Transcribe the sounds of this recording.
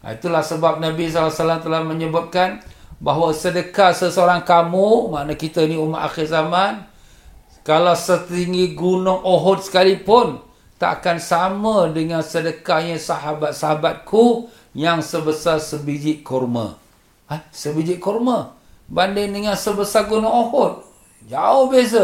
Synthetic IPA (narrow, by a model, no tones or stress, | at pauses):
a̰it̪ulahsəbap̚nabis̬alasalamt̪əlahməɲəbat̚kanbaɦwasədəkasəsoɾaŋkamumaʔnakit̪əniumaʔa̰xirzaman | kalawsət̪iŋɡiɡunʊŋoɦɔt̪̚sə̥kalipʊn | t̪a̰ʔakansamədəŋansədəkaɲəsaɦabat̪̚saɦabat̪̚kʰu | jaŋsəbəsarsəbid͡ʒɪʔkʰɔrmə̰ | asəbid͡ʒɪʔ̚kɔrmə | bandɪŋdəŋansəbəsaɡunʊŋohɔt̪̚ | d͡ʒaʊhbias̬ə